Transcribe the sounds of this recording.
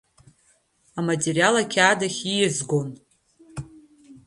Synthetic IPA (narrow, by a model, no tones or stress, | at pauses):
amatʲʼerijalakʲʰaːdaχʲijɪzɡon